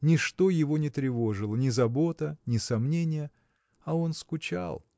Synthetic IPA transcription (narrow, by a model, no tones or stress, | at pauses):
nʲɪʂt̪o̞jɪvo̞nʲɪt̪ɾʲɪvo̞ʐɨlˠənʲɪzɐbo̞t̪ənʲɪsɐmnʲenʲɪjə | ɐo̞nskʊt͡ɕa̰lˠ